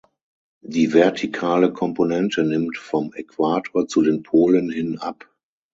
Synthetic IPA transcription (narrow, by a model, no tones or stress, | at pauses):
diːvɛɐtʰikʰaːləkʰɔ̃mponɛntənɪmtfɔmɛkʰv̥aːtʰoːɐt͡sudeːnpʰoːlənhɪnʔap